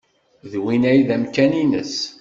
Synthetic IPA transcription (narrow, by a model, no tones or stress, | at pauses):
ðwinæjðæmkæninə̰s